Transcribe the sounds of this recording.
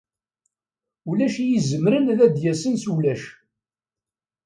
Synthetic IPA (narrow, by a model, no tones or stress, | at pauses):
ulæʃijizəmɾənlæd̪jæsənsulæʃ